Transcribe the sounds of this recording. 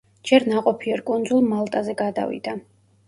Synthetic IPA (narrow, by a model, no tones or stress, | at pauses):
d͡ʒɛɾnaqʼɔpʰiɛɾkʼund̪zulˠmalˠt̪ʼazɛɡad̪a̰vḭd̪̥a